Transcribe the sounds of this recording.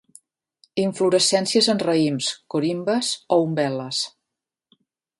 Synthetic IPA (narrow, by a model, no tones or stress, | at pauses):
iɱfluɾəsɛnsiəzənrəimskoɾimbəzɔumbɛləs